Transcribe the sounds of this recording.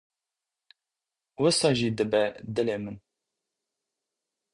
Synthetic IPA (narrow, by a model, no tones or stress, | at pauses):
wəsɑʒid̪əbɛd̪əlemən